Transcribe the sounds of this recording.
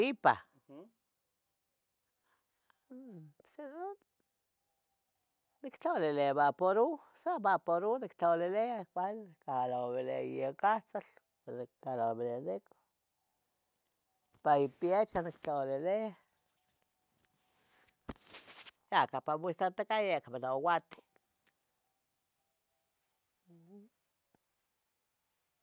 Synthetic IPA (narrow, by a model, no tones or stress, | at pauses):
ipa̰ | sen | nikt͡ɬolelebapoɾu | sabapoɾunikt͡ɬoleleakʷalkalaβelejekat͡sal | nkalabeleneko̥ | paipjet͡ʃanikt͡ɬawlelea | jakapamist̪at̪akajakamanawat̪i̥